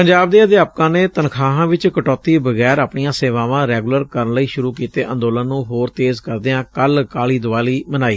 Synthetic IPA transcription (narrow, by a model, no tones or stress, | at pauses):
pəɲd͡ʒaːb̚d̪eːəd̪eaːp̚kãːneːt̪ənkʰaːɦãːʋɪt͡ʃkəʈɔːt̪iːbəɡɛːɾapɳijãːseːʋaːʋãːɾɛːɡʊləɾkəɾənləiːʃʊɾuːkiːt̪eːʔə̰̃nd̪oːlənːũːɦoːɾt̪eːzkəɾd̪eːãːkəlkaːliːd̪ʊʋaːliːmənaːiː